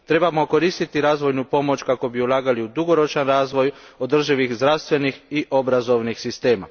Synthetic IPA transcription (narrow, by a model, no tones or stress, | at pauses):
t̪ɾe̞bamo̞ko̞ɾiːst̪it̪iɾaːzʋo̞jnupo̞mo̞t͡ʃkako̞biulˠaːɡaliud̪uɡo̞ɾo̞t͡ʃanɾaːzʋo̞jo̞d̪r̩ʒiʋixzd̪ɾaʋst̪ʋe̞nixiʔo̞bɾazo̞ʋnixsist̪e̞ːma̰